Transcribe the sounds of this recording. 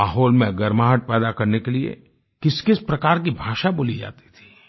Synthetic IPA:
aːɦɔːlmẽɡɐɾmaːɦəʈ̚pɛːd̪akɐɾnekeliḛ | kɪskɪspɾɐkaːɾk̬ibʱaːʃabʊlid͡ʒa̰ːt̪i̥t̪ʰi̥

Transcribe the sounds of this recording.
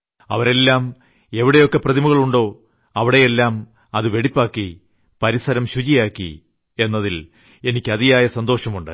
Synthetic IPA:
ɐʋɐɾe̞lːaːm | e̞ʋiɽejo̞kːe̞prɐðimuɣɐɭuɳɖo̞ː | ɐʋiɽe̞jelːaːm | ɐðɨʋe̞ɽipːaːkːi | pɐɾisɐɾɐmɕut͡ɕijaːkːḭ | e̞nːɐðil | e̞nikʲːɨɐðijaːjɐsɐnd̪o̞ːɕɐmuɳɖɨ̰

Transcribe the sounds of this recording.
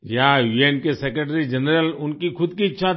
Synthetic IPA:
jaʋienkesekɾeʈɾid͡ʒənəɾəlʊnkikʰʊd̪kiɪtːʃʰa

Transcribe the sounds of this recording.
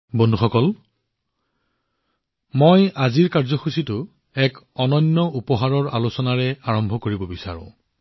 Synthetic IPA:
bondʱuxɔkɔl | mojaziɹkaɹzɔxusitʊ | ɛk | ɔnɔnːɔupɔɦaɹɔɹalosɔnaɹɛaɹɔmbʱɔkoɹibɔbisa̰ɹʊ̰̃

